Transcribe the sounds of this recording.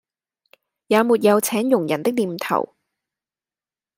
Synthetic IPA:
jaː˨˧muː˨˩t̚jɐ˨˧wt͡sʰɛː˨˥ŋjʊ˨˩ŋjɐ˨˩nt̪ɪ˥k̚liː˨mt̪ʰɐ̰˨˩w

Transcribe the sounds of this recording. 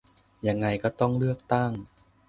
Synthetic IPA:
ja˧ŋːa˧jkɔː˥˩t̪ɔ˥˩ŋlɯ˥˩ək̚t̪a˥˩ŋ

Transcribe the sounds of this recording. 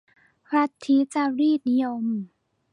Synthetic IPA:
pʰɾa˧˥t̪ʰːi˧˦˥t͡ɕa˧ɾiː˥˩t̪̚ni˦˥jo˧m

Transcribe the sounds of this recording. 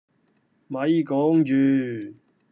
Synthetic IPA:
mɐ˨˧jkɔː˨˥ŋt͡ɕyː˨

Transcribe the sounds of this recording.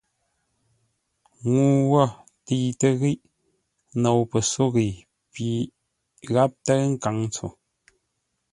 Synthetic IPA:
ŋu˨wɔ˦˨ | ti˨tə˦ɣi˦ʔ | no˨wpə˨so˦ɣi˨ | pi˨˦ | ɣa˦p̚tə˦ŋ̩˦ka˨˦ŋ˦t͡so̰˨

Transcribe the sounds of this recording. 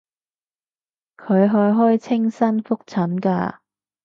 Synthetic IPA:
kʰɵ˨˧ɥɦɔː˧jɦɔː˥jt͡sʰɪ˥ŋsɐ˥nfʊ˥k̚t͡sʰɐ˨˥nka̰ː˧

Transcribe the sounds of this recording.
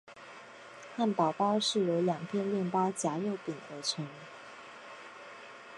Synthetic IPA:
xa˥˩npɑ˨˩ʊpɑ˥ʊʂɻ̩˥˩jo˧˥ljɑ˨˩ŋpʰjɛ˥˧nljɛ˥˩npɑ˥ʊt͡ɕja˧˥jo˥˩ʊpi˨˩ŋə˧˥ʈ͡ʂʰə˧˥˦ŋ

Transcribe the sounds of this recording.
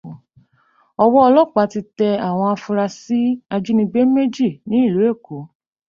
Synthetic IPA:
ɔ˧wɔ˦ɔ˧lɔ˦˨k͡pa˨˦ti˧tɛ˧a˨w̃ɔ̃˧a˧fu˧ɾa˧si˦a˧d͡ʒi˦nĩ˧ɡ͡be˦me˦d͡ʒi˦˨nĩ˨˦i˦˨lu˨˦e˦˨ko˨˦

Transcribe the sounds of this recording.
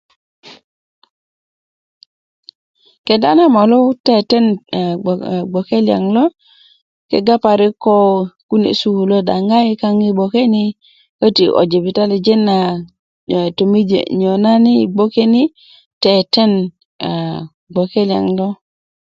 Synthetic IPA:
ke˨da˦na˦ma˨lo˦te˦te˦n˨ | ɡ͡bo˨ke˦lja̰˨ŋlo˦ | kḛ˨ɡa˦pa˨ɾi˦ko˦ku˦nḛ˨su˦˨lo˦da̰˨ŋɡa˦ji˦ka˦ŋi˦bo˨ke˦ni˦ | kə˦ti˨ʔo̰˨d͡ʒe˨bi˨ta˦li˨d͡ʒe˦nːa˨ | to˨mi˦d͡ʒḛ˨ɲo˨na˦ni˦˨bo˦ke˦ni˦ | te˨te˦n˨ | ɡ͡bo˨ke˦li˨a̰˨ŋlo˦

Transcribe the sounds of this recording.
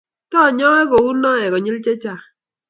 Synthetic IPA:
tɔ˦˨ɲɔ˦e˦ko˨wu˦nɔ˦ɛ˨kɔ˨ɲi˦lt͡ʃe˦t͡ʃa˦˨

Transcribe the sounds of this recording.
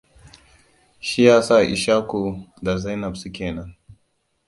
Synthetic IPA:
ʃi˦jaː˦saː˦˨ʔḭ˨ʃa˦ku˨da˨za˦jnɐ˨bsu˦kʲeː˨nɐ˦n

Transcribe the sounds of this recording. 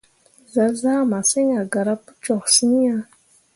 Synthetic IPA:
za˨za˦ma˨sə˦ɲa˨ɡa˨ɾa˦pə˦t͡ʃo˨ksi˦n˦a˦

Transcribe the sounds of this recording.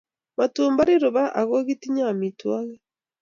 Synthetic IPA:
matuːmba˦ɾi˦ɾo˨βa˦ʔa˨ɣo˦ɣiti˦ɲa˦˨mi˨twa˦ɣɛ

